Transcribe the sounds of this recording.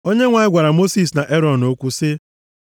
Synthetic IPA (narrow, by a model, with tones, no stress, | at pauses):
o˦ɲe˦ŋʷa˨ɲɪ˦ɡʷa˨ɾa˨mo˦si˨s̬na˨ʔe˦ɾɔ˨no˦kʷu˦sɪ˦